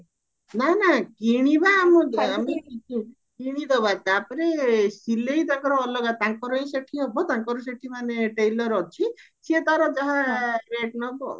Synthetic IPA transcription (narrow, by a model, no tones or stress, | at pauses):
nanakiɽ̃ibaːmɔdamiki | kiɽ̃id̪ɔbat̪apɔɾesileit̪aŋkɔɾɔːlɔɡat̪aŋkɔɾɔẽseʈʰiɦɔbɔt̪ãŋkɔɾɔs̬eʈʰimaneʈejlɔɾɔt͡ʃʰi | siet̪aɾɔd͡ʒaɦãɾeʈnɔkɔ